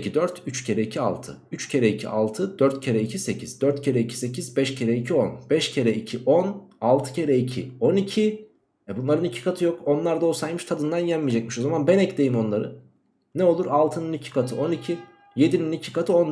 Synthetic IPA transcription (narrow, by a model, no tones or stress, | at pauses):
cʰid̪øɾt̪ʰyt͡ʃcʰe̞ɾɛicʰia̰lˠt̪ʰɯ̰yt͡ʃcʰe̞ɾɛicʰḭʔa̰lˠt̪ʰɯd̪øɾt̪cʰe̞ɾɛicʰise̞cʰiz̥d̪øɾt̪cʰe̞ɾɛicʰi̥se̞cʰizbɛʃcʰeɾɛicʰio̞nbɛʃcʰe̞ɾɛicʰiʔonalˠt̪ʰɯ̥cʰe̞ɾɛicʰḭo̞nicʰi | ɛbunlˠaɾɯnicʰi̥kʰat̪ʰɯjo̞ko̞nlˠaɾd̪aosajmɯʃt̪ʰad̪ɯnd̪anjanmijd͡ʒɛcmiʃo̞zamanbɛnɛcle̞jimo̞nlˠaɾɯ̰ | nɛo̞lˠuɾalˠt̪ʰɯnɯnicʰi̥kʰat̪ʰɯo̞nicʰi | je̞d̪ininicʰi̥kat̪ʰɯo̞n